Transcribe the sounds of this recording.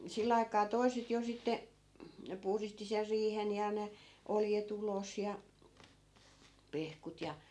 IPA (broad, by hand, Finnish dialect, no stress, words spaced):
silː ɑi̯kɑː toi̯set jo sitːe puhristi ser riːhen jɑ ne oljet ulos jɑ pehkut jɑ